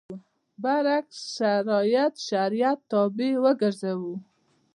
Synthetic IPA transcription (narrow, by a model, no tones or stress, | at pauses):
baɾakssʃaɾɑjat̪ʃaɾijat̪ːɑbewəɡəɾzawu